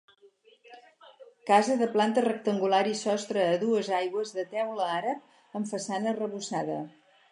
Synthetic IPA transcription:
kazəðəplant̪ərək̚t̪əŋɡulaɾisɔst̪ɾəːðuəzajɣwəzðət̪ɛwləaɾəp̚ | əɱfəsanərəβusaðə̰

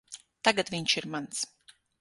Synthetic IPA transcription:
t̪aɡat̪vʲiɲʃiɾmans

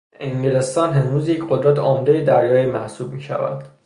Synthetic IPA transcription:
eŋɟile̞st̪ɒːnɦe̞nɾuːzjecʰɢod̪ɾæt̪ʰɒːmd̪ejed̪æɾjɒːjemæhsuːb̚miːʃæ̰væ̰nd̪̥

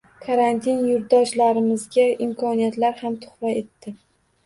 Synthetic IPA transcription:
kʰaɾant̪ʰinjʊɾd̪ɒʃlaɾɪmɪzɡʲaɪmkʰɒnijat̪laɾhamt̪ʰʊ̥χɾae̞t̪ːɪ

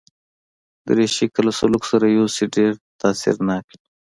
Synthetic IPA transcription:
d̪əɾeʃikalasaluksaɾajosiɖeɾt̪aːsɪ̰ɾnaki̥

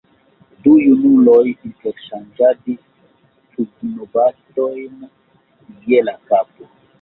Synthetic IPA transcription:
dujunulɔjintɛɾʃand͡ʒadi | t͡ʃuknɔbat̪ɔjna | ɡiɛlakapu

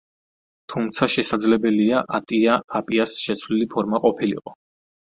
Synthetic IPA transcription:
t̪ʰumt̪sʰaʃɛsad̪zlɛbɛliaʔat̪ʼiaapʼiasʃɛt̪sʰvlilipʰɔɾmaqʼɔpʰilḭqʼɔ

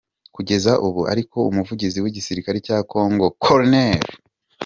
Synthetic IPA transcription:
kuɟe̞zaʔuβua̰ɾiko̞umuvuɟiziwiɟisiɾikaɾecaːko̞ːŋɡo̞kʰoɾneɾ

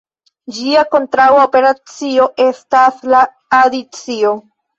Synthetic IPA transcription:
d͡ʒiako̞ntɾawaope̞ɾat͡sio̞ʔe̞staslaː | dit͡sio̞

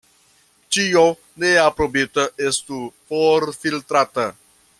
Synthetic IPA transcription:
t͡ʃio | neapɾobit̪əest̪upoɾfilt̪ɾat̪ə

